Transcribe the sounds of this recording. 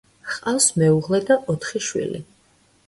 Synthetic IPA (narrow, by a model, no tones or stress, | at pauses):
χqʼawsmɛuʁlɛd̪aʔɔt̪ʰχiʃwḭlḭ